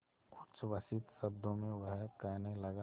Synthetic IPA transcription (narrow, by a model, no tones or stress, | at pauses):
kʊt͡ʃʋəsɪt̪sɐbd̪ʱõmẽʋəɦkəːnelɐɡa